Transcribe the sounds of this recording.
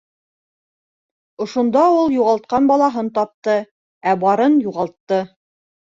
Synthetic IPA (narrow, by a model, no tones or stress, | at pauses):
ŏʃŏnd̪ɑulˠjuʁɑlˠt̪̚qɑnbɑlˠɑɦɤnt̪ɑp̚t̪ɤ | æbɑɾɤnjuʁɑlˠt̪ːɤ